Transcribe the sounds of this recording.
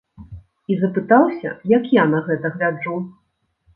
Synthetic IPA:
izɐpɨt̪awsʲɐ̰jɐkjanɐɣɛt̪ɐɣlʲad͡ʐu

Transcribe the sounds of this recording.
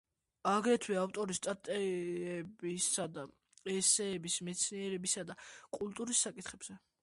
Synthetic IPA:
aɡɾɛt̪ʰwiaft̪ʼɔɾist̪ʼat̪ʼɛ | bisad̪a | ɛsɛːbismɛt̪sʰniɛɾɛbisad̪akʼulˠt̪ʼuɾisːakʼit̪ʰχɛbz̥ɛ

